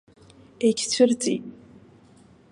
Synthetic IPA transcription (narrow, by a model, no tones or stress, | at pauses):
ekʲʰt͡sʷʰɨrt͡sʼḭtʼ